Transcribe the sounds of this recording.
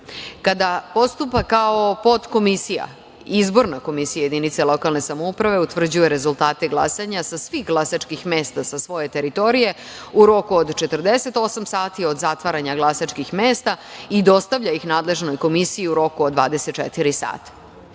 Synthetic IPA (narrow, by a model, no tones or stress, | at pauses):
kad̪apo̞st̪upakaopo̞t̪ko̞misija̰ | izbo̞ɾnako̞misijaje̞d̪init̪selo̞kalˠne̞samoupɾaʋe̞ut̪vr̩d͡ʑuje̞ɾe̞zulˠt̪aːt̪eɡlˠa̰saɲasasʋixɡlˠasat͡ʃkixme̞ːst̪asasʋo̞je̞t̪e̞ɾit̪o̞ɾije̞ | uɾo̞kuod̪t͡ʃe̞t̪r̩d̪ese̞t̪o̞samsaːt̪io̞d̪zat̪ʋaɾaɲaɡlˠasat͡ʃkixmeːst̪aid̪o̞st̪aʋʎaixnaːd̪le̞ʒno̞jko̞misijiuɾo̞kuod̪ʋaːd̪e̞set̪̚t͡ʃɛ̰t̪iɾisa̰ːt̪ḁ